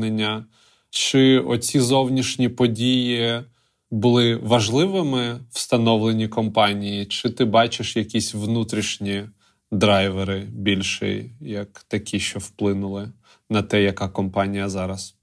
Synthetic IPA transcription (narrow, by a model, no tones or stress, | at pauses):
nenʲːɐ | t͡ʃɪɔt͡sʲizɔwnʲiʃnʲipɔdʲiji | bʊlˠɪʋɐʒlˠɪʋɪmɪw̥st̪ɐnɔʋlˠenʲikɔmpɑnʲijit͡ʃɪt̪ɪbɑt͡ʃɪʃjɐkʲisʲʋnut̪ɾʲiʃnʲi | d̪ɾɑjʋeɾɪbʲilʲʃɪ̰jɐkt̪ɐkʲʰiʃt͡ʃɔwplˠɪnʊlˠɪ | nɐt̪ɛjɐkɑkɔmpɑnʲijɐzɑɾɐs